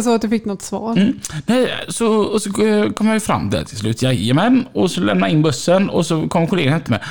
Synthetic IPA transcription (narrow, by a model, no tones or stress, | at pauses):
sɔːat̪̚d̪ɵfɪkːnɔt̪ːsvɑ̰ːɾnɛjsɔɔsɔkʰɔmːjajʏfɾa̰mːd̪ɛ̰æ̰ʈ̪ʰɪlslʉ̟ːt̪jaːəmɛnɔsɔlɛ̰mnaɪnːbɵsːənɔ̰sɔkʰɔmːəɾkʰʊleːɡanɛft̪əmɛ̰